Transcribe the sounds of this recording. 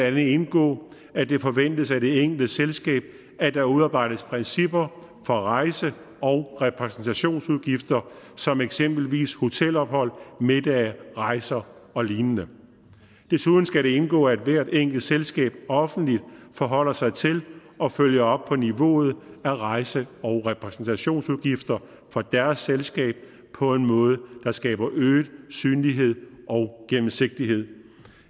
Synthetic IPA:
ænð̩e̝nɡ̥ɔ̰ː | æd̥e̝fɒ̽ʋen̰d̥əsæd̥e̝eŋ̰ɡ̥l̩dəselsɡ̥ɛ̰ːb̥̚ | æd̥ɑ̈uðˠɑ̈ːb̥ɑ̈ɪ̰d̥əspʰʁɛnsib̥ɐ | fɒ̽ʁɑ̈ɪsə | ɒ̽ʊʁɛpʰʁɛsn̩t͡sʰæɕo̝̰ːnsuð̞ˠɡ̥ifd̥ɐ | sɒ̽meɡ̥sem̰b̥l̩ʋḭːsho̝t͡sʰel̰ɒ̽b̥hɒ̽l̰me̝d̥æʁɑ̈ɪsɐɒ̽liːnnə | d̥e̝suðˠn̩sɡ̥æɾe̝e̝nɡ̥ɔ̰̽ːæd̥ʋæɐ̰d̥eŋ̰ɡ̥l̩ˠselsɡ̥ɛ̰ːb̥ɒ̽fn̩d̥lid̥̚fɒ̽ɦɒ̽l̰ɐsɑ̈ɪt͡sʰe̝lʔɒ̽føljɐɒ̽b̥̚pʰɒ̽niʋo̝̰ːð̞̩ˠæʁɑ̈ɪsəɒʊʁɛpʰʁɛsn̩t͡sʰæɕo̝̰ːnsuðˠɡ̥ifd̥ɐ | fɒ̽d̥æɐsːelsɡ̥ɛ̰ːb̥̚ | pʰɒ̽e̝nmɔ̽ːð̞̩ˠəd̥ɑ̈sɡ̥ɛ̰ːb̥ɐʔøːdsyːnliɦe̝ð̞̰ˠɒ̽ʊɡ̥emm̩se̝ɡ̥̚d̥iɦe̝ð̰ˠ

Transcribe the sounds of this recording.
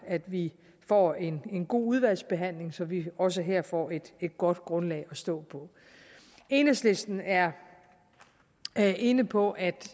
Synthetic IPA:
æd̥ʋi | fɒ̰e̝ne̝nɡ̥o̝̰ːuð̞ˠʋæl̰sb̥e̝ɦæn̰le̝ŋsɒ̽ʋiɒ̽s̬əɦeɐ̰fɒ̰e̝d̥e̝d̥ɡ̥ɒ̽d̥ɡ̥ʁɔ̽nlɛ̰ɪɒ̽sd̥ɔ̰̽ːpʰɒ̽ | e̝ːnəsle̝sd̥n̩æɐ | ʔe̝nəpʰɒ̽ʔæd̥

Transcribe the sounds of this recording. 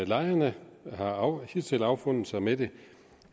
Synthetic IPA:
ælɑ̈ɪɐnəhɑ̈ʊhit͡sʰelɑ̈ʊfɔ̽n̰ð̩ˠsɑ̈ɪmed̥e̝

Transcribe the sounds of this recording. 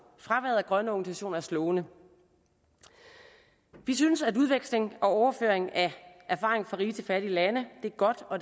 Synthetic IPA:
fʁɑ̈ʋæɐðˠæɡ̥ʁɶnəɒɡ̥n̩sæɕo̝̰ːnɐæɐslɔːʊnə | ʋisynəsæduð̞ˠʋeɡ̥sle̝ŋɒ̽ɒʊɐfø̰ɐ̰eŋæʔæɐfɑ̈ːʁe̝ŋ̩fɒʁiːt͡sʰe̝lfæɾ̥iəlænəd̥e̝æɐɡ̥ɒ̽d̥ɒ̽

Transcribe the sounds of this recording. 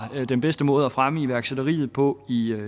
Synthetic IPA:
d̥enb̥esd̥əmɔ̽ːð̞̩ˠæfʁaməiʋæɐɡ̥sed̥ɐʁḭːð̞̩ˠpʰɔ̽i

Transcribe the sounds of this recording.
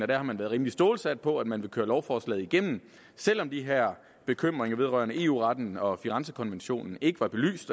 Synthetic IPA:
ɒd̥æɐhɑ̈mænʋæːɐðˠʁiːmlisd̥oːlsæd̥̚pʰɒ̽æd̥mænʋe̝kʰøːɐlɒʊfɒːslɛ̰ːð̩ˠiɡ̥em̰n̩ | sel̰ɒ̽md̥iɦeɐ̰ | b̥e̝kʰøm̰ʁeŋɐʋe̝ð̞ˠʁɶ̰ɐnəʔe̝̰ːṵːʁɑ̈d̥n̩ɒ̽fiʁɑnsəkʰɒ̽nʋenɕo̝̰ːnn̩e̝ɡ̥əʋɑ̈b̥e̝ly̰ːsd̥

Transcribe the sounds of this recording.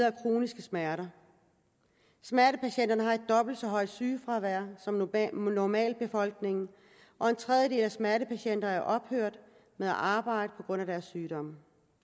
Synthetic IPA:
ɐækʰʁo̝̰ːnisɡ̥əsmæɐɾɐ | smæɐɾəpʰæɕen̰d̥ɐnəɦɑ̈e̝d̥̚ːɒ̽b̥l̩d̥sɒ̽ɦɒ̽ɪ̰d̥syːfʁɑ̈ʋæɐ̰sɒ̽mnɒmɛ̰ːlb̥e̝fɒ̽l̰ɡ̥ne̝ŋn̩ | ʔɒ̽e̝nt͡sʰʁɛð̞ˠjəde̝̰ːlæsmæɐɾəpʰæɕen̰d̥ɐæɐʔɒ̽b̥høɐ̰d̥ | meðˠæʔɑ̈ːb̥ɑ̈ɪ̰d̥əpʰɒ̽ɡ̥ʁɔ̽n̰æɾ̥æɐsːyːd̥ɒ̽m̰ə

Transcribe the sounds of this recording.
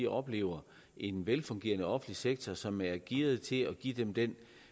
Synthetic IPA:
iʔɒ̽b̥le̝̰ːʊɐ | ʔe̝nʋelfɔ̽ŋɡ̥e̝̰ːɐnəɒ̽fn̩liseɡ̥̚t͡sʰɒsɒ̽mæɐɡ̥iːð̩ˠt͡sʰe̝ɒɡ̥id̥emd̥en

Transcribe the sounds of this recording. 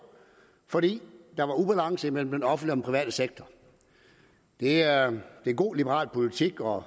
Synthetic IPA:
fɒ̽d̥ḭːd̥ɑ̈ʋɑ̈ub̥ælɑ̈ŋ̰səimel̰m̩d̥enɒ̽fndliɒ̽mpʰʁiʋɛ̰ːd̥əseɡ̥̚t͡sʰɒ | d̥e̝d̥e̝ɡ̥o̝̰ːlib̥əʁɑ̰̈ːlpʰo̝lit͡sʰiɡ̥ɒ

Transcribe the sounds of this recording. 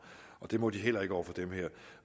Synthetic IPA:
ɒ̽d̥e̝mɔ̽d̥iɦel̰ɐe̝ɡ̥əɒʊ̰fɒ̽d̥emheɐ̰

